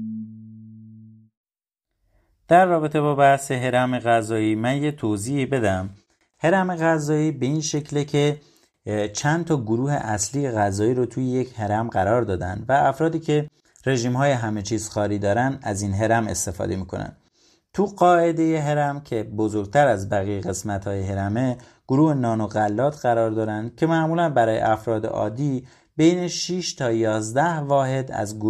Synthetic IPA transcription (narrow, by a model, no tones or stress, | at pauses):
d̪̥æɾːɒːbe̞t̪ʰe̞bɒːbæhse̞ɦe̞ɾæmeɣæzɒːiːmænje̞t̪ʰoziːiːbe̞d̪æm | he̞ɾæme̞ɣæzɒːiːbe̞inʃe̞cʰlecʰe̞ | t͡ʃʰænt̪ʰɒːɡoɾuːhḛʔæslije̞ɣæzɒːiːɾot̪ʰujejecʰhe̞ɾæmɢæɾɒːɾd̪ɒːd̪ænd̪væːfɾɒːd̪iːcʰe̞ | re̞ʒiːmhɒːjeɦæmet͡ʃʰiːz̥xɒːɾiːd̪ɒːɾænd̪æzinɦe̞ɾæme̞̰st̪e̞fɒ̰ːd̪e̞miːkʰo̞næ̰nd̪ | t̪ʰuɣɒːe̞d̪e̞je̞ɦe̞ɾæmcʰe̞bo̞zoɾɡ̚t̪ʰæɾæzbæɣijeɣe̞smæt̪hɒːjeɦe̞ɾæme | ɡ̥oɾuːhenɒːnoɣælːɒːt̪ʰɢæɾɒːɾd̪ɒːɾænd̪cʲʰe̞mæʔmuːlænbæɾɒːjḛʔæfɾɒːd̪ḛʔɒ̰ːd̪iː | bejne̞ʃiʃt̪ʰɒːjɒːzd̪æhvɒːɦe̞d̪æ̰zɡ